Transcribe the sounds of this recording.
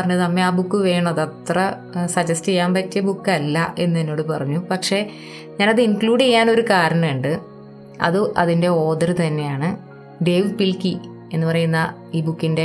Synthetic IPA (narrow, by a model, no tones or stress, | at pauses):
ɐrɐɲːut̪ɐmːe̞aːbukːɨʋe̞ːɳɐðɐt̪rɐ | sɐd͡ʑɐstejːaːmpɐtːɨbukːɐlːɐʔe̞nːuenːo̞ːɽɨpɐrɐɲːupɐkʂe̞ | ɲaːnɐðɨinkluːɽiaːno̞ɾukaːɾɐɳɐmuɳɖɨ | ɐ̰ðɨʔɐðinde̞o̞ːd̪ɐrɨt̪ɐnːe̞jaːɳɨ | ɖe̞ʋpilki | e̞nːɨpɐrɐjunːɐ | iːbukːinde̞